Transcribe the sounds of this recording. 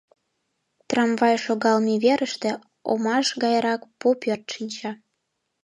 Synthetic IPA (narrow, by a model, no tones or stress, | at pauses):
t̪rɑmvɑjʃoɣɑlmiβeɾəʃt̪ĕ | o̰mɑʃɣɑjɾɑkpopørt̪ʃinʲt͡ɕɑ